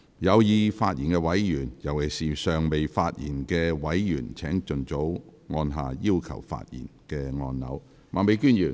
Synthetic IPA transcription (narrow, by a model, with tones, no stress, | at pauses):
jɐ˨˧wjiː˨˧faː˧t̚jiː˨˩nkɛ˧wɐ˨˥jjyː˨˩njɐ˨˩we˨˩siː˨sœː˨ŋme˨jfaː˧t̚jḭː˨˩nkɛː˧wɐ˨˥jjyː˨˩nt͡sʰɛː˨˥ŋt͡sɵ˨nt͡so˨˥wŋɔː˧nɦaː˨˧jiː˥wkʰɐ̰˨˩wfa̰ː˧t̚jḭː˨˩nkɛː˧ŋɔ̰ː˧nːɐ̰˨˥w | maː˨˩me˨˧jkyː˥˩njyː˨˩n